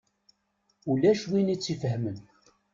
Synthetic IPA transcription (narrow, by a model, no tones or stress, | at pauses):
ulæʃwinit͡sːifəɦmən